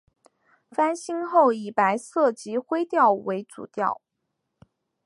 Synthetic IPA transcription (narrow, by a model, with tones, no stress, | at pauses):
fa˥nɕi˥ŋxo˥˩ʊi˨˩pa˧˥ɪsɤ˥˩t͡ɕi˧˥xwe˥ɪt̪jɑ˥˩ʊwe˧˥ɪt͡sṵ˨˩t̪jɑ̰˥˩ʊ